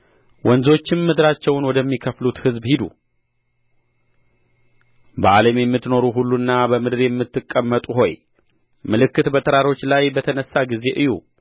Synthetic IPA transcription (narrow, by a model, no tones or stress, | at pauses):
wɔnzo̞t͡ʃːɪnmɨd̪ɾat͡ʃːɛwnwɔd̪əmːikʰəflut̪hɨzbhid̪ṵ | bəʔaləmjɛmːɨt̪ːno̞ɾuɦulːuɨnːabəmɨd̪ɨɾjɛmːɨt̪ːɨkʼːəmːət̪ʼuɦo̞j | mɨlɨkːɨt̪bət̪ʰʼəɾaɾo̞t͡ʃːlajbət̪ʰənəsːaɡize̞ʔɨju